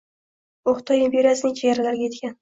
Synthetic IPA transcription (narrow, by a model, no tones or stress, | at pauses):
oχt̪ʰɒjempʲeɾʲjasnɪŋt͡ʃʰejaɾɪlaɾɡʲajet̪kʲan